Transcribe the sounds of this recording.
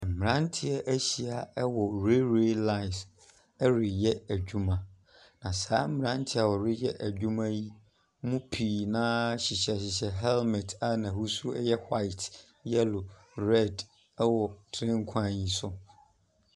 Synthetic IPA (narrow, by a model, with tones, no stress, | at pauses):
ɛ˨m̩˨mɪ̃˨ɾã˦n˦tʰɪ˦ɛ˦ʔæ˦ɕi˨a˨ɛ˦wɔ˨ɾe˦ɾe˦la˦ɪ˨s | ɛ˦ɾɪ˨jɛ˦æ˨d͡ʑᶣu˦mã˦ | nã˨saː˦m̩˦mɪ̃˨ã˦n˦tʰɪ˦a˨wɔ˨ɾɪ˦jɛ˦ʔæ˨d͡ʑᶣũ˦mã˦ji˦ | mũ˦pʰiː˨nã˦ɕɪ˨ɕɛ˨ɕɪ˨ɕɛ˨ɦɛ˦lmɛ˨tʰa˦nã˨hu˦su˦ɛ˦jɛ˦hwa˦ɪ˨t | jɛ˦lʊ˨ | ɾɛ˦˨d | ɛ˦wɔ˨tʰɾɪ̃˦ŋ̩˦kʷʰã˦˨jĩ˨sʊ˦